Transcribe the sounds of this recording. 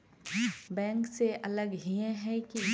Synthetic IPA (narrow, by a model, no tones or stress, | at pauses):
bɛ̃ːŋkseʔɐləɡɦiẽɦɛki